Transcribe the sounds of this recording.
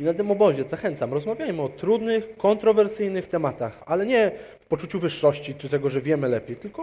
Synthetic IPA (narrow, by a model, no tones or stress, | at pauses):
inat̪̬ɘmɔbɔʑɛzaxɛnt̪samɾɔzmavʲjajmɘɔt̪ɾud̪nɘxkɔnt̪ɾɔvɛɾsɘjnɘxt̪ɛmat̪axalɛɲɛ | fpɔt͡ʂut͡ɕuvɘʂːɔɕt͡ɕit͡ʂɘt̪ɛɡɔʐɛvʲjɛmɘlɛpʲejt̪ɘlkɔ